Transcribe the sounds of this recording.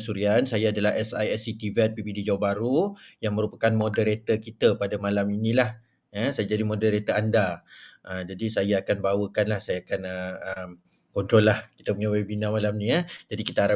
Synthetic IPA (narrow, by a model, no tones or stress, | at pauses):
suɾiansajaːdalaɦɛsa̰jɛsit̪ivɛt̪̚pibidid͡ʒawabaɾujaŋmə̃ɾupakanmodəɾet̪əkit̪əpadamalaminĩlah | əsajad͡ʒadimõdəɾet̪əandaʔəd͡ʒadisajaːkanbawəkanlahsajakanəəm | kɔnt̪ɾɔlːahkit̪aməŋawebinãmalamnĩəd͡ʒadikit̪aaɾa